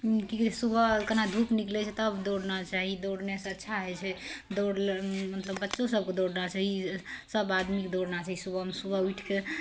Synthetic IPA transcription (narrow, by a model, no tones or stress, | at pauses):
kiksubəkənad̪ʱupniklɛt͡ʃʰɛt̪əbd̪oɽnat͡ʃaɦid̪oɽneseətːʃʰaɦɛt͡ʃʰɛd̪oɽlmət̪ləbːətːʃõsəb̚ked̪oɽnat͡ʃaɦisəbad̪mikd̪oɽnat͡ʃaɦisubəmesubʱəuiʈʰke